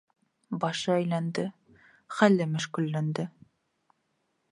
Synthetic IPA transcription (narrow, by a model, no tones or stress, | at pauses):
bɑʃɤæjlænd̪ɘ | χælːɘmɘʃkɵ̆lːænd̪ɘ